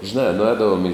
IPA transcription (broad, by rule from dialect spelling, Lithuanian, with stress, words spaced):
ʒʲɪˈnɑː nʊˈɛːdɐʋoːm ɪ